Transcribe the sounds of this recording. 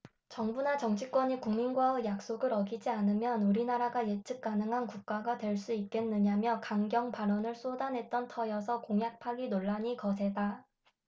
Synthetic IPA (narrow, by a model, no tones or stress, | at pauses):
t͡ɕʌŋbunat͡ɕʌŋt͡ɕʰik͈wʌɲikuŋminɡwaɯjak̚s͈oɡɯɾʌɡid͡ʑianɯmjʌnuɾinaɾaɡajet͡ɕ͈ʰɯk̚k͈anɯŋɦankuk̚k͈aɡatwe̞ɭs͈uit̚k͈e̞nːɯɲamjʌkaŋɡjʌŋpaɾʌnɯɭs͈odanɦe̞t̚t͈ʌntʰʌjʌsʰʌkoŋjak̚pʰaɡinoɭːaɲikʌsʰe̞da